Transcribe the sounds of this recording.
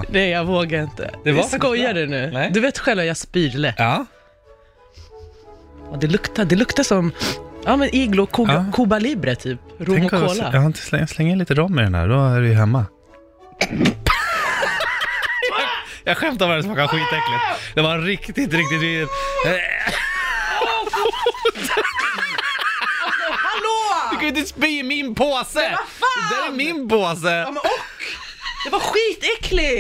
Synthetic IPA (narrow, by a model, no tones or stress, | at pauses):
nɛjjaɡvoːɡaɾɪnt̪ə̰d̪ɛaskɔjːaɖɛnʉ̟ːd̪ɵveːt̪ɧɛlvajaspiːɾləɑː | ɑːd̪ɛlɵkt̪ad̪ɛlɵkt̪asɔmɑːmɛnʔɪɡlʊkʰːkʰubalibɾət̪ʰyːpɾʊɛmɔkɔkoːlajahaɪnt̪ə̥slɛslɛŋt̪ɪnliːt̪əɾɔmːɛɾɛnæ̰ɖɔæɾvɪjɦɛmːa | jɑːɡɧɛmt̪aɾaɾɛsɔmaɾkaaɧiːt̪ɛklɪt̪d̪ɛvaɾɪkt̪ɪt̪ɾɪk̚t̪ɪt̪ɪt̪ | t̪ | lod̪kʰaɪnsbiːmɪnpʰoːsəd̪æɾɛmɪnpoːsəɔk | d̪ɛvaɾɧiːt̪ɛkʰlɪ